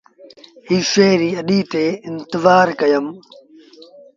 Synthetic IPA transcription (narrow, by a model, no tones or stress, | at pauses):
hiːʃeːɾiːɐɗiːt̪eːɪnt̪ɪzaːɾkɐjəm